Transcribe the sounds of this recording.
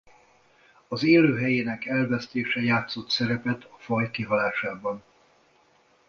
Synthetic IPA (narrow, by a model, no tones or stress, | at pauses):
ɒzeːløːɦɛjeːnɛkɛlvɛst̪eːʃɛjaːt̪so̞t̪sɛɾɛpɛt̪ʰɒfɒjkiɦɒlaːʃaːbɒn